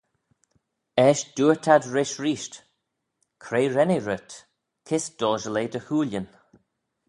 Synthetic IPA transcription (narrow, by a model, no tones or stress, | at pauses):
ɛːʃd̥uːɹt̪ʰadɹɪʃɹiːʃt | kʰɾeːɹɛneɹʊt̪ | kʰɪsd̪̥ɔːʒəleːd̪əhuːljən